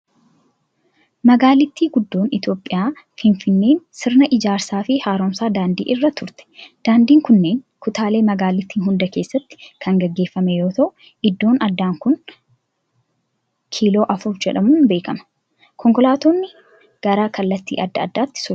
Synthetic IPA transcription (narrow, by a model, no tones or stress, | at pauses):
mɐɡaːlɪt̪ːiːɡʊd̪ːo̞ːnɪt̪jo̞ːpʼːɪjaː | fɪnfɪnːe̞ːnsɪɾnɐʔɪd͡ʒaːɾsaːfɪhaːɾoːmsaːd̪aːnd̪ḭːʔɪrːɐt̪ːʊɾt̪ɛ̥d̪̥aːnd̪iːŋkʊnːe̞ːŋ | kʊt̪aːle̞ːmɐɡaːlɪt̪ːiːnɦʊnd̪ɐke̞ːsːɐt̪ːɪ̥kʰɐŋɡɐɡːe̞ːfːɐmɛjo̞ːt̪ɐʔʊ | ɪd̪ːo̞ːnɐd̪ːaːŋkʊn | kʰiːlo̞ːʔɐfʊɾd͡ʒɛᶑɐmuːnbe̞ːkɐmɐ̥ | kʰɔŋkɔlaːt̪oːnːɪ | ɡ̥ɐɾaːkɐlːɐt̪ːḭːʔɐd̪ːɐɐd̪ːaːt̪ːɪ̥sʊ